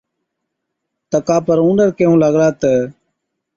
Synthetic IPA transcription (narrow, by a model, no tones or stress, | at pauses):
t̪əkaːpəɾũːnəɾkəɦũːləɡlaːt̪əː